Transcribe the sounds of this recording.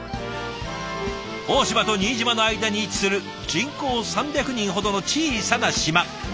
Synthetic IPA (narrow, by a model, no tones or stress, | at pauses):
oːɕimat̪o̞ɲ̟iːʑimano̞aid̪aɲ̟iːt͡ɕi̥sɨɾɯ̟ | d͡ʑĩŋko̞ːsãmbʲjakɯ̟ɲ̟ĩɰ̃ɦo̞d̪o̞no̞t͡ɕiːisanaɕima